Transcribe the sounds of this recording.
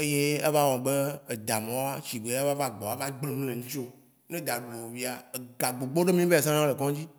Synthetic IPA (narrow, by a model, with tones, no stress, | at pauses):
e˦je˦e˦va˦wɔ̃˨ɡ͡be˦e˨d̪a˨mɔ̃˨wa˦t͡ʃi˨ɡ͡be˨˦a˦va˦va˦ɡ͡bɔ˨a˨˦va˦ɡ͡ble˦˨mũ˦lẽ˨ŋũ˦t͡ʃo˦ | nẽ˦d̪a˨ɖu˨o˨o˨vi˦a˨e˨ɡa˨ɡ͡bo˨ɡ͡bo˦ɖe˦mĩ˦be˦a˨s̬ã˦nã˦le˨kɔ̃˦d͡ʑi˦